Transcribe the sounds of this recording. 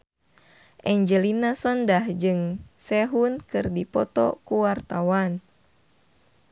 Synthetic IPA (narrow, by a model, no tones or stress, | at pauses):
ʔɛɲd͡ʒəlinasɔndahd͡ʒɨŋsɛɦunkɨrdipɔt̪ɔ̰kuwart̪awan